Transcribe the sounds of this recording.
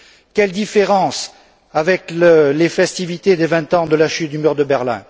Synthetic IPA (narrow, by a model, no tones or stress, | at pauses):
kʲɛld̪ifeʁɑ̃s | avɛkllefɛst̪ivit̪ed̪evɛ̃t̪ɑ̃d̪əlaʃyt̪̚d̪ymyʁd̪əbɛʁlɛ̰̃